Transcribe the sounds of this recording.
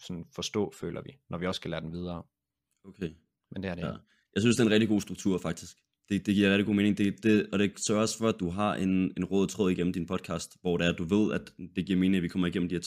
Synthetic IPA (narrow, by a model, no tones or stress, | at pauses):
sɒ̽nfɒ̽sd̥ɔ̰̽ːfø̰ːlɐʋinʔɒʋiɒ̽sːɡ̥ælæːɐd̥emʋið̞ˠɐː | okʰe | mend̥eæɐdæ | jɑ̈ɪsynsd̥eɐenʁɛɡ̚d̥iɡo̝̰ːsd̥ʁuɡ̥t͡sʰuɐ̰fɑ̈ɡ̥̚d̥isɡ̥ | d̥e̝d̥e̝ɡ̥iɐʁɛd̥iɡo̝̰ːmeːneŋd̥e̝d̥e̝ɒ̽ɾ̥e̝sœɐɒ̽sfɒæd̥uɦɑ̈ʔe̝ne̝nʁɔːð̞ˠt͡sʰʁɔð̰ˠiɡ̥en̰m̩d̥inpʰɒ̽d̥̚kʰɑ̰̈ːsd̥ʋɒ̰ːɾ̥eæɐd̥uʋe̝ð̰ˠæd̥ːe̝ɡ̥iɐme̝ːne̝ŋæʋikʰɒ̽mɐiɡ̥en̰m̩dihɛɐ